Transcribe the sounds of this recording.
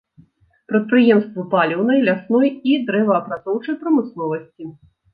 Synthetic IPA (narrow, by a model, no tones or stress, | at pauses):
pɾɐt̪̚pɾɨjɛmst̪vɐpalʲɛwnɐjlʲasnɔjid̪ɾɛvɐːpɾat̪sɔwt͡ʂɐjpɾɐmɨsnɔvɐsʲt͡sʲi